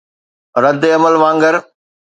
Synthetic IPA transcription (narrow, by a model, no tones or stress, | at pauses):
ɾɐd̪eɐməlʋãːŋɡəɾ